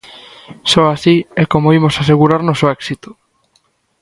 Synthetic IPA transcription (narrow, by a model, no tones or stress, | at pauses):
sɔasiɛkomoimosaseɣuɾaɾnosoɛksit̪o̥